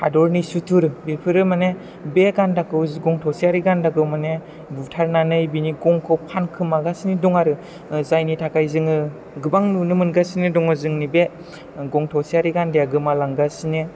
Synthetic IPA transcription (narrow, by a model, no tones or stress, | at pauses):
hadɔɾnisutʰuɾɯbipʰɯɾɯmane | beɡandakɯwzɡɔŋtʰɔwsiaɾiɡandakɯwmane | butʰaɾnanɯjbiniɡɔŋkʰɔpʰankʰɯmaɡasinidɔŋaɾɯ | zajnitʰakʰajzɯŋɯ | ɡɯbaŋnunɯmɯnɡasinidɔŋɔzɯŋnibe | ɡɔŋtʰɔwsiaɾiɡandijaɡɯmalaŋɡasine